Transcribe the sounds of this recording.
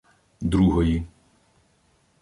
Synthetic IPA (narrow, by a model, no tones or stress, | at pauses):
d̪ɾuɦɔji